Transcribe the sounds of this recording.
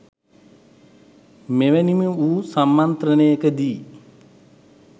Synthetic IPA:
meʋænimeuːsamːant̪ɾənəjəkəd̪iː

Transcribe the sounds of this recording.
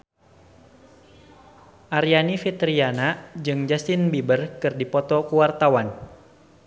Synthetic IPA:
ʔaɾianifit̪ɾianad͡ʒɨŋd͡ʒasinbibərkɨrdipɔt̪ɔkuwart̪awan

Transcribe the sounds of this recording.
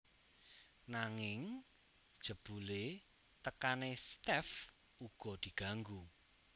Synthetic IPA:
naŋɪŋ | d̥ʒ̥ə̤b̥ule | t̪əkanest̪ɛf | uɡ̥ɔ̤d̪̥i̤ɡ̥a̤ŋɡu

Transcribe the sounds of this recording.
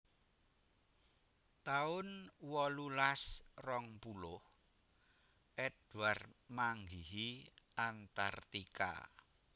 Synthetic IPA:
t̪aʊnwɔlulasrɔŋpulʊh | ʔɛd̥uarmaŋɡiɦiant̪art̪ika̰

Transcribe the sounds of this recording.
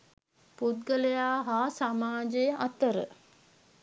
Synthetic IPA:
pud̪̚ɡələjaːɦaːsamaːd͡ʒejəʔat̪əɾə̰

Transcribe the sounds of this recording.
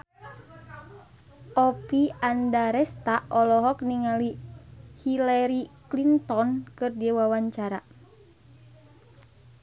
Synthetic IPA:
ɔpiandaɾɛst̪aʔɔlɔɦɔk̚niŋalihilaɾiklint̪ɔnkɨrdiɛwawaɲt͡ʃaɾa

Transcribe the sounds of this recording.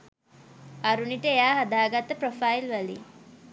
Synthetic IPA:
aɾuniʈəejaːɦad̪aːɡat̪əprofailʋalḭ

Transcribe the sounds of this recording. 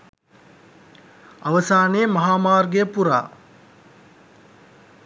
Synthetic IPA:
ɐʋəsaːneːmɐɦaːmaːrɡejəpuɾa̰ː

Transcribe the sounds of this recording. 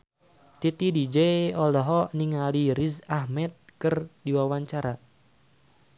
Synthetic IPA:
t̪it̪idid͡ʒeɔlɔɦɔniŋaliɾizahmɛt̪̚kɨrdiwawaɲt͡ʃaɾa

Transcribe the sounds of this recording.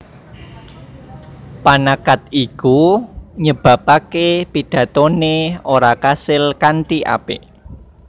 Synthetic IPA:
panakat̪̚ikuɲəb̥ä̤pakepiɖ̥ä̤t̪oneoɾakasɪlkanʈ̪iʔa̰pḛ

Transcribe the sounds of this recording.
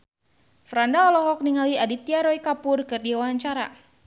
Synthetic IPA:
fɾandaɔlɔɦɔk̚niŋaliadit̪iaɾɔikapʊrkɨrdiwaaɲt͡ʃaɾa̰

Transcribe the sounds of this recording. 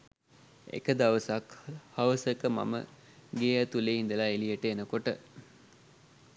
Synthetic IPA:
ḛkəd̪aʋəsakhɐʋəsəkəma̰mə̰ | ɡeːət̪uleːɦind̪əlaelijəʈəenəkoʈə

